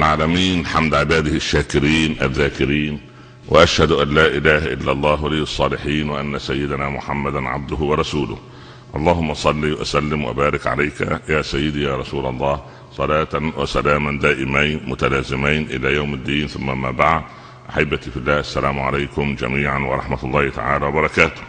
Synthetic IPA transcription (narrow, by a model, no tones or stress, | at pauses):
ʔalʕaːlæmiːnlħamd̪ʕɪbaːd̪ɪhɪʃːaːkɪɾiːnʔa̰ðːaːkɪɾiːn | wa̰ʔaʃhæd̪ʔænːaːʔɪlaːhaʔɪlːalˤːɑːɦwaliːɑsˤːɑːlɪħiːnwaʔanːasajːɪd̪naːmʊ̰ħamːad̪nʕa̰b̚d̪ʊɦwɑɾˤɑsuːlʊh | ʔɑlˤːɑːhʊmːɑʔsˤɑlːiːwʔa̰sælːɪmwa̰baːɾɪkʕa̰lajka̰jaːsajːɪd̪ijaːɾˤɑsuːlɑlˤːɑːh | sˤɑlɑːt̪anwa̰salaːmand̪aːʔɪmajnmʊt̪alaːzɪmajnʔɪ̰læːjawmɪd̪ːiːnθʊmːaʔamːaːbaʕd̪ | ʔaħabːat̪ifɪlːæːʔasːælaːmʊʕa̰lajkʊmd͡ʒæ̰miːʕanwɑɾˤɑħmat̪ɑlˤːɑːhɪt̪a̰ʕaːlaːwɑbɑɾˤɑkaːt̪ʊ̥